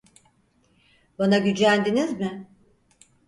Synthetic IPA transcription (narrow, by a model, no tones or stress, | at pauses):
banaɟyd͡ʒænd̪inizmɪ